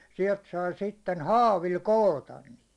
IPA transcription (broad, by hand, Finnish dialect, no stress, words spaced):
siɛlt sɑi sitːen hɑːʋil koːtɑn niːt